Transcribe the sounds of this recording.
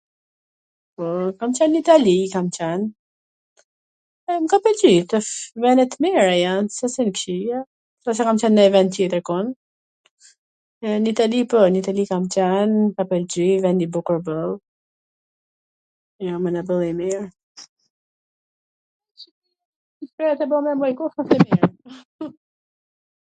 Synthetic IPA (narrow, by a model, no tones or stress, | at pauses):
pɔkamt͡ɕɛnːit̪alikamt͡ɕɛn | ɛmkapɛld͡ʑit̪əfvɛnɛt̪miɾajansasɛnkʃia | sas̬akamt͡ɕɛnːajvɛnt̪jɛt̪əɾkɔn | ɛnit̪alipɔnit̪alikamt͡ɕɛnkapɛld͡ʑivɛnd̪ibukəɾbəlˠ | jamɛnabəlˠimiɹ | pɾɛɛt̪ɛbɔmɛmɔjkufat̪ɛmiɾ